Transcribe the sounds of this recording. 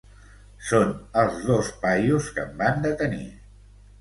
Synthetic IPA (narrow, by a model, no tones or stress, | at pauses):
sonəlˠzðospajuskə̰mband̪ət̪ənḭ